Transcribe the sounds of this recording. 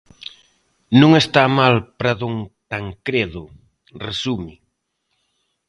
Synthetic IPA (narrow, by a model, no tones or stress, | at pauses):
nũŋest̪amalpɾaðuŋt̪aŋkɾeðʊ | resumɪ